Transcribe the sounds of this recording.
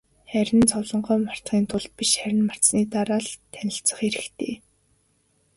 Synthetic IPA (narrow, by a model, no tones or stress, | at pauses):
χæɾʲɪ̆nt͡sʰɔwɮɞ̆ɴɢœːmar̥t͡sχiːnt̪ʰʊɮt̪̚piʃχæɾʲɪ̆nmar̥sniːt̪aɾaːɮt̪ʰænʲɪ̆ɬt͡sə̆χeɾɘ̆xt̪ʰeː